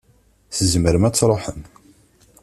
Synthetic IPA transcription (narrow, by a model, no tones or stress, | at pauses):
θəzməɾəmæt͡sːɾˤoħən